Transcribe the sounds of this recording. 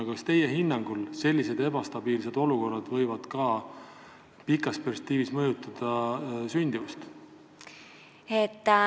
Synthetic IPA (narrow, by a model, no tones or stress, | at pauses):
ɑkɑst̪e̞jeɦinːɑŋɡ̥ulse̞lʲːise̞d̪̥e̞bɑst̪ɑb̥iːls̬e̞d̪̥o̞luko̞rːɑd̪̥vɤ̞jvɑd̪̥kɑ | pikːˑɑspere̥kt̪ːiːvismɤjut̪ˑːɑd̪̥ɑsynʲd̪ivust̪ | et̪ːˑ